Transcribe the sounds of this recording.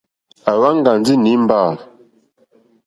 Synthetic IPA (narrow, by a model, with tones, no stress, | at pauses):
a˨wa˦ŋ˦ɡa˨n˦d͡zi˦ni˨˦m̩˦ba˦˨